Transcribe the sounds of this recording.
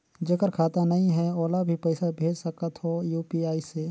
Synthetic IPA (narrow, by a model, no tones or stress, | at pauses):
d͡ʒekəɾkʰaːt̪anɐɦĩɦɛɔːlabʱipɛɪsabʱeːd͡ʒsɐkət̪ɦojuːpiaːise